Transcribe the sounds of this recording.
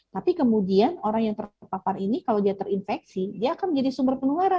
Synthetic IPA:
t̪apikəmudianoɾaŋjaŋt̪ərpaparinikalawdiat̪ərinfɛksidiaːkanməɲd͡ʒadisumbərpənuaɾa

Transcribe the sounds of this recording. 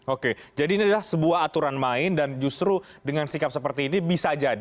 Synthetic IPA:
oked͡ʒadiːniadalahsəbuaɦat̪uɾanmaɪndand͡ʒust̪ɾu | dəŋansikap̚səpərt̪iːnibisad͡ʒad

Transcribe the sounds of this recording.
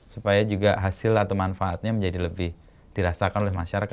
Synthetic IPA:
supajad͡ʒuɡaɦasɪlat̪awmanfaːt̪̚ɲaməɲd͡ʒadiləbɪh | d̥iɾasakanolɛɦmaʃaɾaka

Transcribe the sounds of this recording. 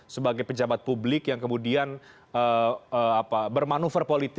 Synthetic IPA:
səbaɡajpəd͡ʒabat̪̚publɪkjaŋkəmudian | əəapabərmanufərpolit̪

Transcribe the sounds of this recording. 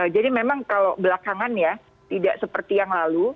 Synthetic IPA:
əd͡ʒadimemaŋkalobəlakaŋanja | t̪ida̰ʔsəpərt̪ijaŋlalu

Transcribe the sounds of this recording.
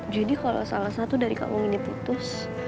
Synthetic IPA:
d͡ʒadikala̰salahsat̪udaɾika̰wɔŋiniput̪ʊs

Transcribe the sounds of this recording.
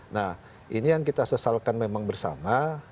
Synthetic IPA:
nah | inijaŋkit̪asəsalkanmemaŋbərsa̰ma

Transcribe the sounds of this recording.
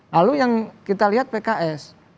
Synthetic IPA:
lalujaŋkit̪aliɦat̪̚pekaʔɛs

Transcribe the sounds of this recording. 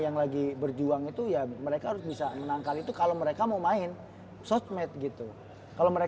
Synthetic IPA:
jaŋlaɡibərd͡ʒuaŋit̪ujaməɾekaɦaɾʊsbisamənaŋkalit̪ukaloməɾekamamaɪn | sot͡ʃmɛt̪̚ɡit̪u | kaloməɾe

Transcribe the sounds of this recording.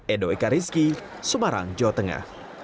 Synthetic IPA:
ɛdoekaɾiski | səmaɾa̰ŋd͡ʒawat̪əŋa̰h

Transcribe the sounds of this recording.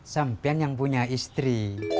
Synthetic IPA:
sampianjaŋpuɲaist̪ɾi

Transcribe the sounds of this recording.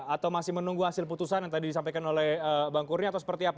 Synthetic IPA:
at̪awmasɪhmənuŋɡuɦasɪlp̬ut̪usanjat̪adidisampajkanolɛhəbaŋkurniat̪awsəpərt̪iap

